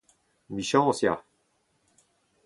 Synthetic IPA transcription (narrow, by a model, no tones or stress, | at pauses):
miʃɑ̃õsja̰